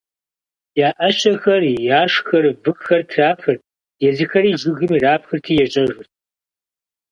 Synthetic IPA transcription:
jaːʔɐɕɐxɐrjaːʂxɐrvɨxxɐrtʰraːpʰɨr | jɛzɨxɐɾiːʒɪɣɨmiːraːpxɨrtʰiːjɛɕʼɐʒʷʊrtʰ

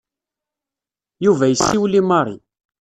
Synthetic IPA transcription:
juvæjəsːiwlimɑɾˤḭ

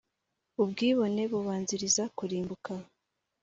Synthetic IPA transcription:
ubɡiːβo̞ne̞βuβaːnziɾizakuɾiːmbuka

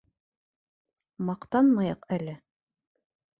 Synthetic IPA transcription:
mɑqt̪ɑnmɑjɤqælɘ

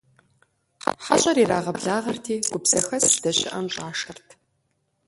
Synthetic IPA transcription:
ħaɕʼɐɾiːɾaːʁɐbɮaːʁɐrtʰiːɡ̥ʷʊbz̥ɐxɐsd̥ɐɕʼɪʔɐmɕʼaːʂɐrtʰ

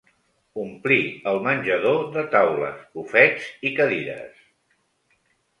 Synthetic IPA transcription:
umpliəlˠmənʲʒəðoðət̪awlə̰spufɛdzikəðiɾə̰s

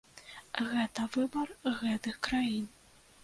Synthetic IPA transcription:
ɣɛt̪ɐvɨbɐrɣɛt̪ɨxkɾajin

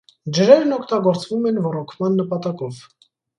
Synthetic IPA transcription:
d͡ʒəɾɛɾnɔkʰt̪ɑɡɔɾt͡svumɛnvɔɾɔkʰmɑnːəpɑt̪ɑkɔv

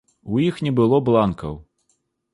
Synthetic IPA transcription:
ujixnʲɛbɨlˠɔblˠankɐ̰w

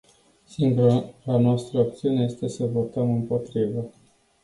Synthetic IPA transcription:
siŋɡuɾaɾanoast̪ɾəak̚t̪siune̞je̞st̪e̞səvo̞t̪əmɨmpo̞t̪ɾivə

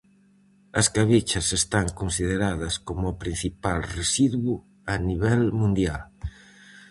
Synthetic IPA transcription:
ɐskaβit͡ʃɐsest̪aŋkonsiðeɾaðɐskomʊapɾin̟θipalresiðwʊ | aniβɛlmũnd̪jal

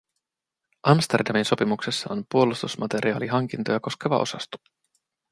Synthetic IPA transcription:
ʔɑmst̪erdɑminso̞pimuksesːɑompuo̞lust̪usmɑt̪e̞ɾʔiɑːliɦɑŋk̟int̪o̞jɑko̞ske̞ʋɑ̰ʔo̞̰sɑst̪o̥

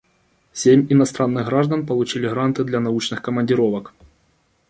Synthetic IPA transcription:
sʲemʲinɐst̪ɾanːɨɣɣɾaʐd̪ənpɐlˠʊt͡ɕilʲɪɣɾant̪ɨd̪lʲɐnaut͡ʃnɨxkɐmɐnʲdʲɪɾɔvɐk

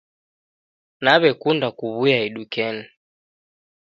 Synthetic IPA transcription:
naβɛkundakuβujaiɗukɛni

